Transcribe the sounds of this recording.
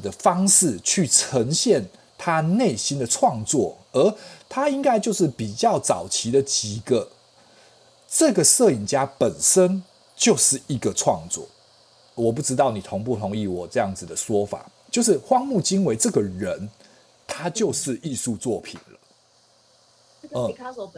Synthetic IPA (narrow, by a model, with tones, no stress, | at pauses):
d̪ə˨fɑ˥ŋʂɻ̩˥˨t͡ɕʰy˥˩ʈ͡ʂʰə˧˥ŋɕjɛ˥˨˩n | t̪ʰa˦˥ne˥˩ɪɕi˥nd̪ə˨ʈ͡ʂʰwɑ˥˧ŋt͡swɔ˥˩ | ə˞˧˥t̪ʰa˥i˥ŋka˥ɪt͡ɕjo˥˧ʊʂ̬ɻ̩˥˩pi˨˩t͡ɕjɑ˥˩ʊt͡sɑ˨˩ʊt͡ɕʰi˧˥d̪ə˨t͡ɕi˨˩ɡə˦ | ʈ͡ʂɤ˥˩ɡə˩sɤ˥˩i˨˩nt͡ɕja˥pə˨˩nʂə˦˥n | t͡ɕjo˥˧ʊʂɻ̩˥˩i˧˥ɡə˨ʈ͡ʂʰwɑ˥˧ŋt͡swɔ̰˥˩ | wɔ˨˩p̬u˥˩ʈ͡ʂɻ̩˥t̪ɑ˥˩ʊni˨˩t̪ʰo˧˥ŋpu˥˩t̪ʰo˧˥ŋi˥˩wɔ˨˩ʈ͡ʂɤ˥˧jɑ˥˩ŋd͡zɹ̩˨˩d̪ə˩swɔ˥fa̰˨˩t͡ɕjo˥˧ʊʂ̬ɻ̩˥˩xwɑ˥˧ŋmu˥˩t͡ɕi˥nwe˧˥ɪʈ͡ʂɤ˥˩ɡə˩ɻə˧˦n | t̪ʰa˥t͡ɕjo˥˧ʊʂɻ̩˥˧i˥˧su˥˧t͡swɔ˥˩pʰḭ˨˩nlə˦ | ə˥˩